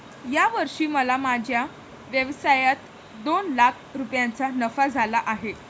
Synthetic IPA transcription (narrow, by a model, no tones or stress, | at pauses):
jaʋəɾʂiːməlamad͡ʑʱja | ʋjəʋsajat̪ | d̪onlakʰɾupjant͡sanəfad͡zʱalaʔaɦe